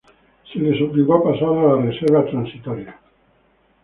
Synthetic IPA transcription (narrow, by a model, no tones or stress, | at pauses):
selesobiɡapasaðalaresɛɾvat̪ɾansit̪ɔɾja